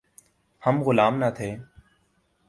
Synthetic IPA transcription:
həmɣʊlaːmnət̪ʰeː

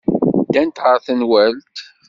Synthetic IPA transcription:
d̪ænt̪ʁəɾθənwælt̪

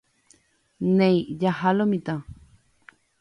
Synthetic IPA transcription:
nẽjjahalomĩt̪a

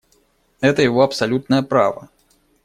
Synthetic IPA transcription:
ɛt̪ɐjavɔɐpsalʲut̪̚nɐjɐpɾa̰vɐ̰

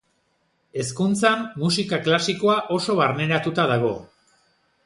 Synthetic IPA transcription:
e̞skunt͡samːusikaklasiko̞aʔo̞so̞βaɾne̞ɾat̪ut̪að̞aɣ̞o̞̰

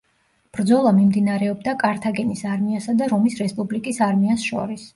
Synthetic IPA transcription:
b̥ɾd̪zɔlˠamimd̪inaɾɛɔbd̪akʼaɾt̪ʰaɡɛnisaɾmiasad̪aɾɔmisɾɛspʼublikʼisaɾmiasʃɔ̰ɾis

